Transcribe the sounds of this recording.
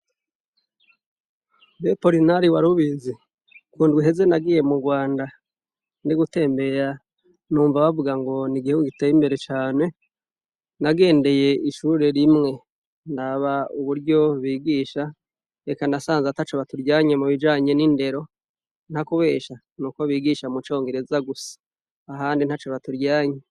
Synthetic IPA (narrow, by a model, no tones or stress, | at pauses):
bepo̞ɾinaɾiwaɾuβizi | kuːndɡwiɦe̞ze̞naɡiːje̞muɡwaːnda | niɡute̞ːmbe̞ɾa | nuːɱvaβavuɡaŋɡo̞niɡiheuɡitejimbe̞ɾe̞t͡ʃaːne̞ | naɡe̞ːnde̞je̞iʃuɾe̞ɾimŋe̞ | ndaβauβuɾɟo̞βiːɡiːʃa | ekanasaːnzatat͡ʃoβatuɾɟaːɲe̞muβid͡ʒaːɲe̞ninde̞ɾo̞ | n̥hakuβe̞ːʃa | nuko̞βiːɡiʃamut͡ʃo̞ːŋɡe̞ɾe̞zaɡusḁː | ɦaːndin̥hat͡ʃoβatuɾɟaːɲe